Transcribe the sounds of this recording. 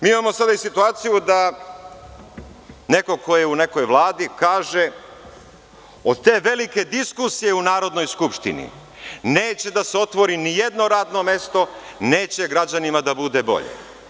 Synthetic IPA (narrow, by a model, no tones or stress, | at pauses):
miːimamo̞sad̪aisit̪uaːt̪sijud̪a | ne̞ko̞ko̞jeune̞ko̞jʋlˠaːd̪ikaːʒe̞ | o̞d̪̚t̪e̞ːʋe̞like̞d̪iskusije̞unaːɾo̞d̪no̞jskupʃt̪ḭnḭ | neːt͡ɕe̞d̪aseo̞t̪ʋo̞ɾinijed̪no̞ɾaːd̪no̞me̞st̪o̞ne̞ːt͡ɕe̞ɡɾad͡ʑanimad̪abud̪e̞bo̞̰ʎḛ